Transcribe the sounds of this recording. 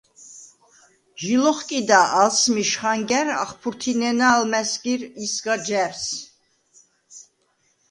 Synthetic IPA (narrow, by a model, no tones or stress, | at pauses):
ʒilɔχkʼid̪aʔːlsmiʃχaŋɡɛɾa̰χpʰuɾt̪ʰinɛnaːlmɛsɡiɾisɡad͡ʒɛɾs